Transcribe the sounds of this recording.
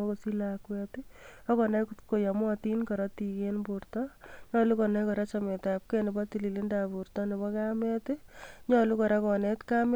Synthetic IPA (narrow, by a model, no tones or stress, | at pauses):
ɔkosilakwɛtɪɔkɔnakukojamɔtinkɔɾɔtikenbuɾtɔɲɔlukɔnakɔɾat͡ʃametap̚kɛnɪbɔtililindapuɾtɔnibɔkamɛtɪɲɔlukɔɾakɔnetkam